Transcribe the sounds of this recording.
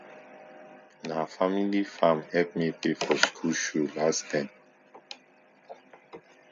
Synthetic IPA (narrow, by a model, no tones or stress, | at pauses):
nafamilifãmhɛp̚mipefɔskʰulʃulastãm